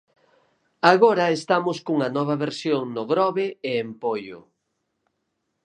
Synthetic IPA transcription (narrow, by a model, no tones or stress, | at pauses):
aɣoɾɐest̪amʊskuŋɐnɔβ̞ɐβeɾsjoŋnʊɣɾɔβeeːmpojʊ̰